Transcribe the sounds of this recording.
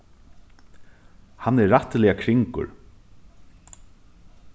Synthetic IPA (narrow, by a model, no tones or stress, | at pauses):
hanːɛːaht̪lɪakʰɾɪŋkʊ̰ɹ